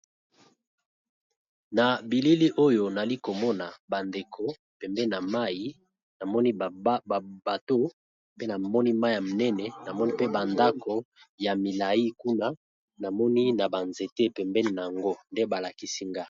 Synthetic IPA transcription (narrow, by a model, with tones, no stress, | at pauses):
na˨bi˨li˦li˦ʔo˦jo˦na˨li˦ko˨mɔ˦na˨ba˨nde˨kʰo˨ | pɛ˨mbɛ˦ni˨na˨ma˦ji˦ | na˨mɔ˦ni˦˨ba˨to˦ | pe˦na˨mɔ˦ni˦ma˦i˦˨ja˨mo˨nɛ˦nɛ˨na˨mɔ˦ni˦pe˦ba˨nda˦ko˨ | ja˨mi˨la˨i˦ku˦na˦ | na˨mɔ˦ni˦na˨ba˨nze˨te˦pɛ˨mbɛ˦ni˨na˨a˨ŋɡo˦nde˦ba˨la˨ki˦si˦ŋɡa˦˨